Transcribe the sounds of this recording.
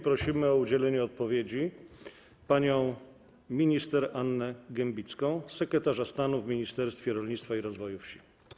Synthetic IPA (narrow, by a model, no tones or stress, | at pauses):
pɾɔɕimɘɔud͡ʑɛlɛɲɛɔt̪̚pɔvʲjed͡ʑi | paɲɔ̃w̃ | mʲiɲist̪ɛɾanːɛɡɛmbʲit̪skɔ̃w̃sɛkɾɛt̪aʐast̪anuvmʲiɲist̪ɛɾst̪fʲjɛɾɔlɲit̪st̪faiɾɔzvɔjufɕi̥